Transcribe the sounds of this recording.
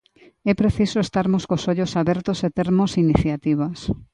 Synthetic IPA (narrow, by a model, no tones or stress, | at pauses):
ɛpɾeθisoest̪aɾmoskosoʎosaβɛɾt̪oset̪eɾmosiniθjat̪iβ̞as